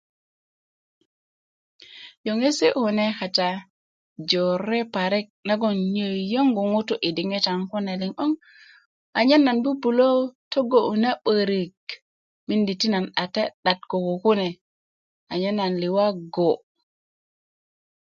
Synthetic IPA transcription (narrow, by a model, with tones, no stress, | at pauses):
jo˨ŋe˦se˦hu˨ne˦xa˨ta˨ | d͡ʒo˨ɾe˦pa˨ɾe˦k̚na˦ɡo˨nɲə˨jo˦ŋɡu˨ŋu˦tu˦ʔi˨di˨ŋe˦ta˨ŋku˦ne˨li˨ŋo˦ŋ | a˨ɲe˦nːa˨nbu˦bu˨lo˦to˦ɡo˨u˨na˦ɓə˨ɾi˨k | mi˦ndi˨ti˦na˨na˨te˦ɗa˨t̚ko˨ko˨ku˦ne˨ | a˨ɲe˦nːa˨nli˨wa˦ɡo˨